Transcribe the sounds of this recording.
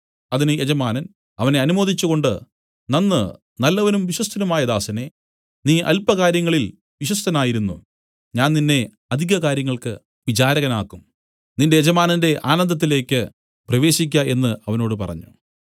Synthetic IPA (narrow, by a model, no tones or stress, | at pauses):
ɐðinɨed͡ʑɐmaːnɐn | ɐʋɐne̞ɐnumo̞ːd̪it͡ɕːuɣo̞ɳɖɨ | nɐnːɨ | nɐlːɐʋɐnumʋiɕwɐst̪ʰɐnɐmaːjɐd̪aːsɐne̞ | niːʔɐ̰lpːɐkaːɾjɐŋːɐɭil | ʋiɕwɐst̪ɐnaːjiɾunːṵ | ɲaːnninːe̞ | ɐd̪ʱiɣɐkaːɾjɐŋːɐɭkɨ̰ | ʋit͡ɕaːɾɐɣɐnaːkːum | ninde̞ed͡ʑɐmaːnɐnde̞ʔaːnɐnd̪ɐt̪̬ːile̞ːkʲːɨ | prɐʋe̞ːɕik̬ʲːaʔe̞nːɨɐʋɐno̞ːɽɨpɐ̰rɐ̰ɲːu